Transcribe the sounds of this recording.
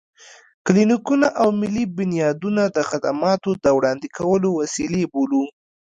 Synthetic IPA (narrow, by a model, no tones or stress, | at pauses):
klinikunaʔawmɪlːibʊnjɑd̪unad̪əxad̪amɑt̪od̪əwɽɑnd̪ikʰawəlowasilebolu